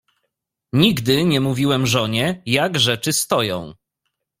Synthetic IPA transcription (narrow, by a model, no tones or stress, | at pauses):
ɲiɡd̪ɘɲɛmuvʲiwɛmʐɔɲɛjaɡʐɛt͡ʂɘst̪ɔjɔ̰̃w̃